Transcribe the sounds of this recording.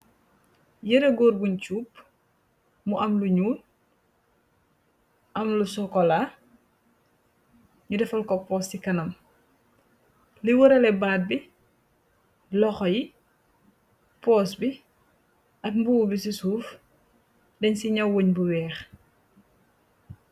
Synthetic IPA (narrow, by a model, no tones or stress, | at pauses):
jɐɾeɡɔːrbuɲt͡ʃuːp̚ | muʔɐmluɲuːn | ʔɐmlusɔkɔla | ɲudɛfɐlkɔpɔːstikɐnɐm | liwɔɾɛlɛbaːd̚bi | lɔxɔji | pɔːsbi | ʔɐkmbuwubisisuːf | dɛɲsiɲɐwwoɲbuwɛːx